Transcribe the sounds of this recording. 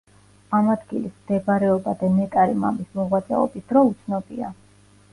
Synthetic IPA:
amad̪ɡilismd̪ɛbaɾɛɔbad̪anɛk̪ʼaɾima̰mismɔʁwat̪sʼɛ̰ɔ̰bisd̪ɾɔut̪sʰnɔbḭa̰

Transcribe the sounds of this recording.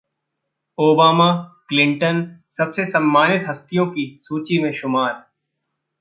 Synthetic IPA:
oːbaːmaklɪ̃ɳʈənsɐbsesɐmːaːnɪt̪ɦɐst̪ijõkisuːt͡ʃimẽʃʊmaːɾ

